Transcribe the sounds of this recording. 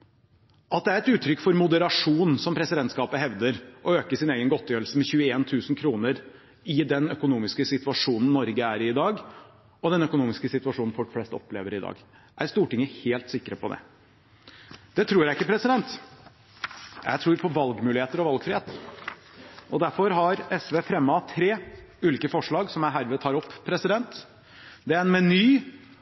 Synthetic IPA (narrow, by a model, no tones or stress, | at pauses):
ɑt̪̚d̪ɛæɾɛt̪ʉːt̪ʰːɾʏkːfɔɾmʊd̪əɾɑʂuːnsɔmpʰɾɛsɪd̪ɛnt̪skɑːpəɦɛʋd̪əɾʔɔøːkəsɪneːɡənɡɔt̪ʰːjøːɾəlsəmɛçʉːəeːnt̪ʰʉːsnkʰɾuːnəɾ | ɪd̪ɛnœkʊnuːmɪskəsɪt̪ʋɑʂuːnn̩nɔɾɡəæɾɪɪd̪ɑːɡ | ɔd̪ɛnœkʊnuːmɪskəsɪt̪ʉʋɑʂuːnn̩fɔʈflɛst̪ɔ̰pleːʋəɾɪd̪ɑ̰ːɡ | ʔæɾst̪uːʈɪŋːəheːlt̪sɪkːɾəpʰɔd̪ɛ̰ | d̪̥ɛt̪ʰɾuːɾjæɪɪkːəpʰɾɛsɪd̪ɛnt̪ | jæ̰ɪt̪ʰɾuːɾpʰɔʋɑlɡmʉːlɪheːt̪əɾɔʋɑlɡfɾɪheːt̪ə | ʔɔd̪æɾfɔɾɦɑɾɛsʋeːfɾɛmːəɑt̪ʰɾeːʉːliːkəfɔʂɭɑːɡsɔmæɦæːɾʋɛːt̪ʰɑːɾɔpːpʰːɾɛsɪd̪ɛnt̪ | d̪ɛæɾɛnmɛnyː